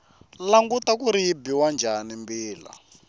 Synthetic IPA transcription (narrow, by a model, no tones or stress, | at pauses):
laŋɡutakuɾijibiwand͡ʒʱanimbiːla̰